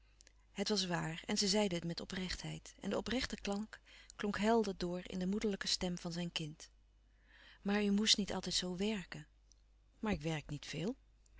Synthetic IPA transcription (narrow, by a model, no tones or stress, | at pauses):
ɦətʋɑs̬ʋaːɹɛ̰nzəzɛjdəətmɛtɔprɛχtɦɛ̰jtɛ̰ndəɔprɛχtəklɑŋkklɔŋkɦɛlˠdədʊːɹɪ̰ndəmudəɹləkəstɛmv̥ɑnzɛjnkɪnt | maːɹymustnitɑ̰lˠtɛjtsowʋɛɹkən | maːɹɪkʋɛɹk̚nitfɪːlˠ